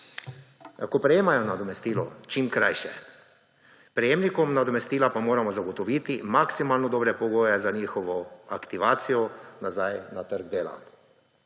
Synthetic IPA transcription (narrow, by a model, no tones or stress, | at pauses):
ja̰kopɾɛjeːmajɔnad̪ɔmɛst̪iːlɔ̰t͡ʃiːmkɾajʃɛ̰ | pɾɛjeːmnikɔmnad̪ɔmɛst̪iːlapamoːɾamɔzaɡɔt̪ɔʋiːt̪imaksimaːlnɔd̪ɔːbɾɛpɔɡoːjɛzaɲiːxɔʋɔa̰kt̪iʋaːt̪sijɔnazajnat̪əɾɡ̚d̪eːla̰